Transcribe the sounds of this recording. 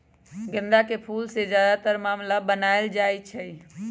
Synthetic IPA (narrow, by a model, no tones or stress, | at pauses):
ɡə̃nd̪akepʰulsed͡ʒjad̪at̪əɾmaːmlabənaeld͡ʒajt͡ʃʰəj